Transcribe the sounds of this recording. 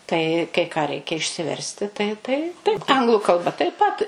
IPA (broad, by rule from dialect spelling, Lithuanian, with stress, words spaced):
ˈtɐɪ kɐɪ ˈkɑː ˈrʲɛɪkʲɛ ɪʃʲsʲɪˈʋʲɛrʲsʲtʲɪ ˈtɐɪ tɐɪ tɐɪp ˈɐŋɡlˠʊ kɐlˠˈbɐ tɐɪp ˈpɐt